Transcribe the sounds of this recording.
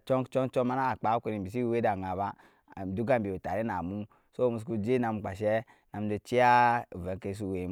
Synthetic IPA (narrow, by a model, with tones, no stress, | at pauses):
t͡ʃo˦ŋt͡ʃo˦ŋt͡ʃo˦ma˦na˦˨k͡pa˨˦ke˨ɾi˨bi˨s̬i˦we˦da˨ŋa˨ba˦˨ | du˦ɡa˦m˨bi˨u˨ta˨ɾi˦na˨mu˦ | so˦˨mu˨s̬ku˦d͡ʒe˦na˨m˨k͡pa˨ʃɛ˦ | na˨m˦d͡ʒo˨t͡ʃi˦a˦u˨ve˨ŋke˨˦s̬u˦˨we˨˦m